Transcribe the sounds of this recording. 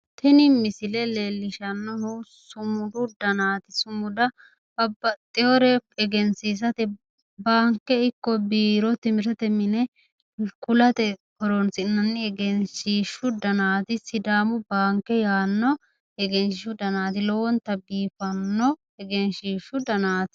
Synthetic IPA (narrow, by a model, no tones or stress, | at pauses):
t̪ʰɛnɪmɪsɪlɛleːlːɪʃɐnːɔnu | sʊmʊd̪ʊd̪ɐnaːt̪ɪsʊmʊd̪ɐ | bɐbːɐt̪ʼːɪɔɾɛpɛɡɛnsiːs̬ɐt̪ɛ | baːŋkːɛɪkːɔbiːɾɔt̪ɪmɪɾɐt̪ɛmɪnɛ | kʊlɐt̪ɛkɔɾɔnsɪnːɐnːɪɛɡɛnʃiːʃːʊd̪ɐnaːt̪ɪsɪd̪aːmʊbaːŋkːɛjaːnːɔ | ɛɡɛnɪʃʊd̪ɐnaːt̪̬ɪlɔwɔnt̪ɐbiːfɐnːɔ | ɛɡɛnʃiːʃːʊd̪ɐnaːt̪ɪ̥